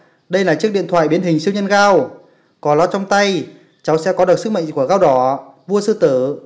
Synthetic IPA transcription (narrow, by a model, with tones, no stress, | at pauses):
ɗə˧jlaː˨˩t͡ɕɨ˦˥ək̚ɗḭ˧˨ənt̪ʰwa̰ː˧˨jɓi˨˦ənhï˨˩ŋ̟si˧wɲə˧nɣaː˧w | kɔ˨˦lɔ˧˥t͡ɕwŋ͡mt̪a˧j | t͡ɕa˨˦wsɛ̰˧˥kɔ˨˦ɗɨ˨˩sɨ˦˥k̚mə̰˧˨ŋku˧˩əɣaː˧wɗɔ˧˩vu˧əsɨ˧t̪ɨː˧˩